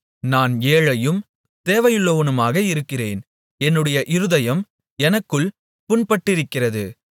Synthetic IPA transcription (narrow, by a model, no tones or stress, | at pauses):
naːneːɻɐjɯm | t̪eːʋɐjɯɭːoːʋɐnɯmaːɣɐɪɾɯkːɪreːn | ɛnːɯɽɐjɐʔɪɾɯðɐjɐm | ɛnɐkːɯɭ | pʊnpɐʈːɪɾɯkːɪrɐðɯ̰